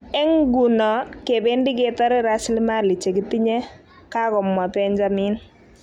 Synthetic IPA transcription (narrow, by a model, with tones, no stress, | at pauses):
ɛ˦ŋɡu˨nɔ˨ke˨be˦ndi˦ke˨tɔ˦ɾɪ˦ɾa˦sli˦ma˦li˨t͡ʃe˨ki˦ti˦ɲɛ˦ | ka˦kɔ˨mːa˨pɛ˦ɲd͡ʒa˦mi˦n